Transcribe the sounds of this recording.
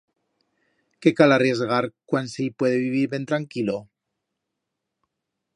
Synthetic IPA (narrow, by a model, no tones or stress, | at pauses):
ke̞kalarje̞zɣaɾkwansejpwe̞ðeβiβ̞iɾβe̞nt̪ɾaŋkilo